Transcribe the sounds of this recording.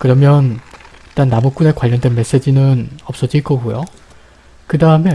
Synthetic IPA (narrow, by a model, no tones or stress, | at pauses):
kɯɾʌmjʌnit͈anːamuk̚k͈une̞kwaʎːʌndwe̞nme̞s͈e̞d͡ʑinɯnʌp̚s͈ʌd͡ʑiɭk͈ʌɡujo̰ | kɯdaɯme̞